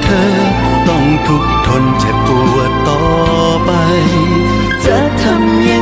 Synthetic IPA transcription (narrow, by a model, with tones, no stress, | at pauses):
t̪ʰɤː˧ | t̪ɔ˥˩ŋt̪ʰu˧˥k̚t̪ʰo˧nt͡ɕɛ˨˧˩ku˧˩ət̪ɔː˨ | pa˧j | t͡ɕa˧˩˦t̪ʰa˧mːi˧˥